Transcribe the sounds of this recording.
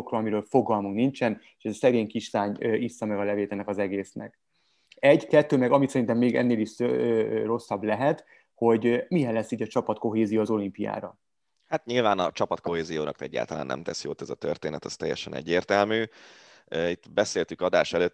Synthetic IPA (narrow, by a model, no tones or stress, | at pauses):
okroɒmiɾøːlfo̞ɡɒlmuknint͡ʃɛneʃɛzɒsɛɡeːɲkiʃt̪aːɲøisːɒmɛɡɒlɛveːt̪ɛnɛkɒzɛɡeːsnɛ̰k | ɛɟkɛt̪ːøːmɛɡɒmit̪sɛɾint̪ɛmːeːɡɛ̰nːeːliʃ | ro̞sːɒblɛɦɛt̪ | ho̞ɟmijɛnlɛsːiːɟɒt͡ʃɒpɒt̪ko̞ɦeːzijoːzo̞limpija̰ːɾɒ | hat̪ɲilvaːnɒt͡ʃɒpɒt̪ko̞ɦeːzijoːnɒ̰kt̪ɛ̰ɟːa̰ːlt̪ɒla̰ːnʔɛ̰mt̪ɛsiot̪ːɛzɒt̪ø̰rt̪eːnɛt̪ɒst̪ɛjːɛ̰ʃɛnɛ̰ɟːeːrt̪ɛlmyː | it̪ːbɛseːlt̪ykɒd̪a̰ːʃɛløːt̪ː